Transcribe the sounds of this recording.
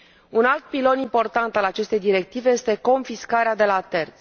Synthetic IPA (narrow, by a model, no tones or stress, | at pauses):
unalt̪̚pilo̞nimpo̞rt̪ant̪alat͡ʃe̞st̪e̞jd̪iɾe̞k̚t̪ive̞je̞st̪e̞ko̞nfiskaɾead̪e̞lat̪e̞rt̪sʲ